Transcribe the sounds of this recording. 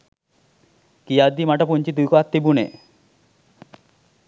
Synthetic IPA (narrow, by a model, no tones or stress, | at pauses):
kijad̪imaʈapunt͡ʃit̪ujkɔat̪ːibunḛ